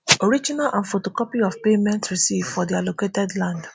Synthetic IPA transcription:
oɾid͡ʒinalʔãnfotokɔpiɔvpemɛ̃ntɹisivfɔdialoketɛdlãnd

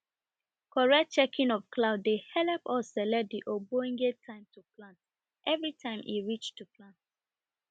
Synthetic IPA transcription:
kʰɔɹɛt͡ʃɛkʰĩnɔvklaʊdːehɛlɛpɔsɛlɛdiʔoboĩŋɡetʰãɪ̃mtuplãnt | ʔɛvɹitʰãɪ̃mʔḭɹit͡ʃtuplãnt

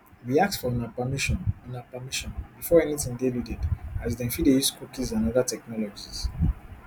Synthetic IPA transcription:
wiak̚sfɔɔ̃napamiʃɔnɔ̃napamiʃɔ̃nbifɔɛnitĩŋdeludɛdazdɛ̃nfidejuskukizãnɔðatɛknɔlɔd͡ʒiz̥

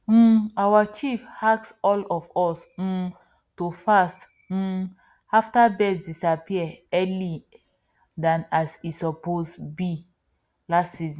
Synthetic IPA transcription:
m̩awat͡ʃifhaksɔlɔfɔs̩ | tofast | m̩ | aftabɛsdisapiɛɛli | dãnasitsɔposbi | lastsiz̃

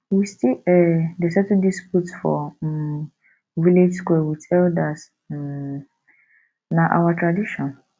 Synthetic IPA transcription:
wistiɛdesɛtudisputfɔ̰ | viled͡ʒskɛwitʰɛldat | naʔa̰watʰɹadiʃɔ̃n

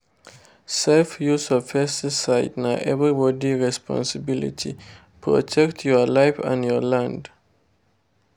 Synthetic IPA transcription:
sɛlfjusɔfɛstisaɪdnaʔɛvɹibɔdiɹɛspʰɔ̰̃nsəbilḭtʰḭ | pʰɹɔ̰tʰɛktʰjɔlaɪfə̰̃njɔlãnd

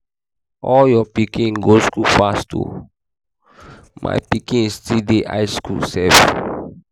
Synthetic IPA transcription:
ʔɔljɔpikĩŋɡoskufastṵ | ma̰jpikĩŋistideʔa̰jskṵlsɛvə̰n

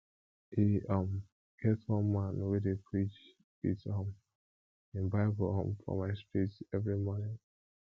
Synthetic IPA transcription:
hiʌm | ɡ̥ɛtwɔ̃nmãnwedepʰɹit͡ʃ | ḭtɔ̃m | ɪ̃nbaɪblɔ̰̃mfɔ̰maɪspitɛvɹimɔnɪ̃ŋ

